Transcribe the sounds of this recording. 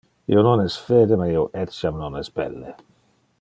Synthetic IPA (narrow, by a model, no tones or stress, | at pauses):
ḭːononɛsfɛːd̪emaioʔɛtsjamnonɛsbɛ̰lːe